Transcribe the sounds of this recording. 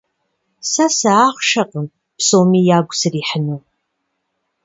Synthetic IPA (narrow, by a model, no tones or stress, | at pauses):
sɐsɐaːχʷʃɐqəm | psoːmiːjaːɡʷʊsɨriːħənuw